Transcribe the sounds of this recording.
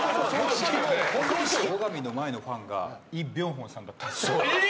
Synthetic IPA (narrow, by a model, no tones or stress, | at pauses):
sosooohõnt̪oiɕt̪oɾoɡamʲino̞mae̞no̞ɸãŋɡa̰iːbʲjõŋ̃ɦõñsãnd̪at̪ːao